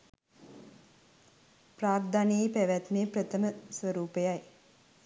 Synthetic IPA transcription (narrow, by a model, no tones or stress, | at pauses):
praːrd̪anejpæʋæt̪neːpɾət̪ʰəməsʋəɾuːpejaj